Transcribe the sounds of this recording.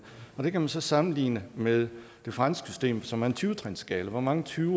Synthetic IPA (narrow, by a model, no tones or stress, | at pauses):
ɒ̽d̥e̝kʰæmænsɒ̽sɑ̈mn̩lḭːnəmeðˠ | d̥e̝fʁɑ̈nsɡ̥sy̥sd̥e̝̰ːmsɒ̽mæɐent͡sʰyːt͡sʰʁɛnsɡ̥ɛːləʋɒmɑ̈ŋət͡sʰyːʊ